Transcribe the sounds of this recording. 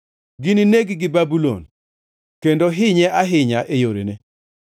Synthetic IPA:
ɡɪnineɡɡɪbabulo̰n | kendoɦɪɲɛʔaɦɪɲaʔejoɾḛne

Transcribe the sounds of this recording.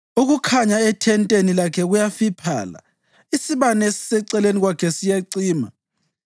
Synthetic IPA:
uɣukʰaɲaɛtʰɛntʼenilakʰɛɣujafipʰa̰ːla̰ | isiβanesi̥sɛǀɛleniɣwakʰɛsijaǀiːma̰

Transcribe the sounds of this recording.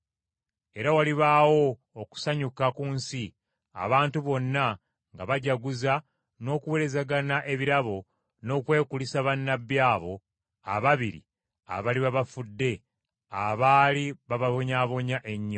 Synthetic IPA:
e̞ɾawaliβawo̞ː | ku̥saɲukakuːnsi | a̰βaːntuβo̞nːa | ŋɡaβaɟaɡuza | no̞ːkuwe̞ɾe̞zaɡanaʔe̞βiɾaβo̞ | no̞ːkwe̞ːkulisaβanːabjaːβo̞ | a̰βaβiɾḭ | a̰βaliβaβafudːe̞ | aβaːliβaβaβo̞ɲaːβo̞ɲaʔe̞ɲːo

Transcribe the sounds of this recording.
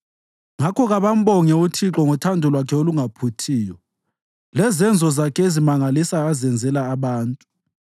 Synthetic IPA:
ŋakʰɔɣaβam̩ɓɔŋɛutʰiǁɔŋutʰandʱɔlwakʰɛoluŋapʰutʰiːjɔ | lɛzɛnd͡zʱɔzakʰɛezimaŋalisaːzɛnd͡zʱɛlaːβaːntʼu̥

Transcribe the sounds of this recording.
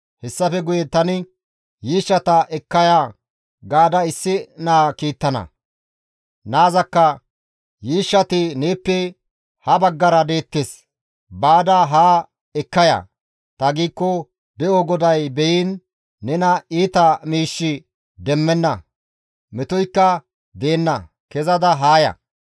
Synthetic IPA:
hɛsːɐfɛɡʊjɛt̪ɐnɪ | jiːʃːɐt̪ɐʔɛkːɐjaː | ɡaːd̪ɐɪsːɪnaːkiːt̪ːɐnɐ̰ | naːzɐkːɐ | jiːʃːɐt̪ɪneːpːɛ | hɐbɐɡːɐɾɐd̪e̞ːt̪ːes | baːd̪ɐɦaː | ɛkːɐjɐ̰ | t̪ɐɡiːkːɔ | d̪ɛʔɔɡɔd̪ɐjbɛjiːnː | ɛnɐiːt̪ɐmiːʃːɪ | d̪ɛmːɛnːɐ | mɛt̪ɔjkːɐ | d̪e̞ːnːɐ | kɛzɐd̪ɐɦaːjɐ̰

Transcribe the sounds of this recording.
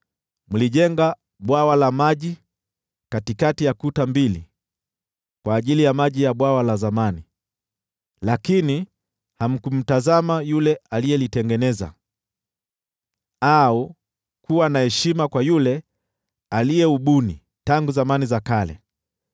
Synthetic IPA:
muliʄɛŋɡa | ɓwawalamaʄi | katikatijakutambilḭ | kwaːʄilijamaʄijaɓwawalazamani | lakini | ham̩kum̩tazamajulɛalijɛlitɛŋɡɛnɛza̰ | au | kuwanahɛʃimakwajulɛ | alijɛuɓuni | taŋɡuzamanizakalɛ̰

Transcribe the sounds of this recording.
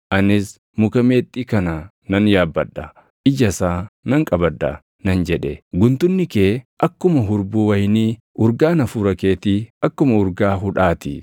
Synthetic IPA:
ʔɐnɪs | mʊkɐmeːt̪ʼːiːkɐna | nɐnjaːbːɐᶑːɐ | ʔɪd͡ʒɐsaːnɐŋkʼɐbɐd̪ːɐ̰ | nɐnd͡ʒɛᶑɛɡʊnt̪ʊnːɪkeːʔɐkːʊmɐɦʊɾbuːwɐjniː | ʔʊɾɡaːnɐfuːɾɐkeːt̪iɐkːʊmɐʊɾɡaːɦʊᶑaːt̪ɪ

